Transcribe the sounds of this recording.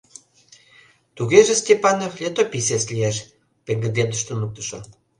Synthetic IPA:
t̪uɣeʒĕsʲt̪ʲepɑnoflʲet̪opis̬eslieʃ | pĕŋɡəd̪end̪əʃt̪onuk̚t̪ə̥ʃo

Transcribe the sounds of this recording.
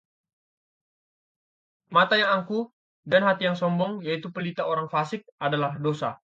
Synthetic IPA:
mat̪ajaŋaŋku | danɦat̪ijaŋsɔmbɔŋjait̪upəlit̪aoɾaŋfasɪk̚adalahdosa

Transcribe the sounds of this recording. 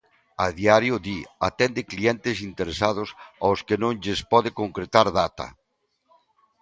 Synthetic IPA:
aðiaɾjʊðia̰t̪ɛnd̪ɪkliɛnt̪ɪsint̪eɾesað̞ʊsa̰wskɪnõŋʎespɔðɪkoŋkɾet̪aɾðat̪ɐ̰

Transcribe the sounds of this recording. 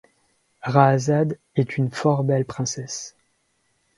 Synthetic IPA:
ʁazad̪ | ɛt̪ʰynfɔʁbɛlpχɛ̃sɛs

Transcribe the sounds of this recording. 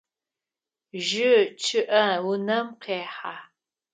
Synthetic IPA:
ʒɨt͡ʃʰɨʔɐwʊnɐmqeːħaː

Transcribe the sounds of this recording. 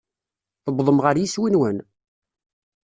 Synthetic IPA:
θəbðˤəmʁəɾjiswinwən

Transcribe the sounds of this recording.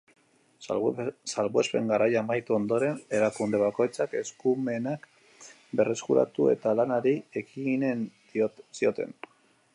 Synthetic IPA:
salβwespe̞̰ŋɡaɾʔajamajt̪uo̞nd̪o̞ɾe̞ne̞ɾakund̪e̞βako̞jt͡sake̞skume̞nak | be̞re̞skuɾa̰t̪ue̞̰t̪alanaɾiekinen | sio̞t̪e̞n

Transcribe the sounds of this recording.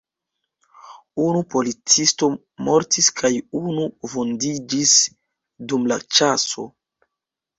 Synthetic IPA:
unupo̞lit͡sisto̞ | mo̞ɾtiskʰajunuvondid͡ʒis | dumlat͡ʃaso̞̰

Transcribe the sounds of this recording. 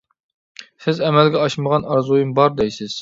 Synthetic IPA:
sɪzɛmɛlɡʲɛɑʃməʁɑnɑɾzujumbɑɾd̪ɛjsɪz̥

